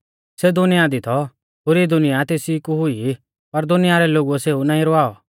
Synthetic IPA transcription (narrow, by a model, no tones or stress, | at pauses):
sed̪ʊnɪjad̪it̪ʰɔ | ɦoːɾid̪ʊnɪjat̪eːsikuɦʊi | pɐɾd̪ʊnɪjaɾɛloːɡuɛseːunaːĩɾɔaːɔ